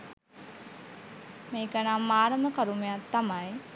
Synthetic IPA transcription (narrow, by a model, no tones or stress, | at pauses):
meːkənamaːɾəməkaɾumejat̪ːamaj